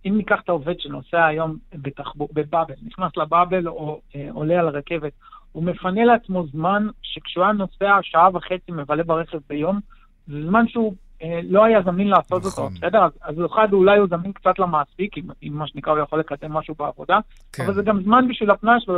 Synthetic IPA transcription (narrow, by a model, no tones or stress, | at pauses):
imːikaχt̪aove̞d̪ʃeno̞seaːjo̞mbet̪aχbube̞babe̞lniχnaslababe̞lo̞eo̰lealaʁake̞ve̞t̪̚ume̞fane̞leat͡smo̞zmanʃe̞kʃeuajano̞seaʃaavaχe̞t͡simevale̞baʁe̞χe̞vbejo̞m | zezmanʃeu | elo̞ajazaminlaːso̞tot̪obesedeʁazazjoχad̪ulajuzaminkt͡satlamaːspikimimːaʃenikʁaujaχo̞lːe̞kad̪e̞mːaʃubeavo̞d̪a | avalzeɡamzmanbiʃvilhapnaʃve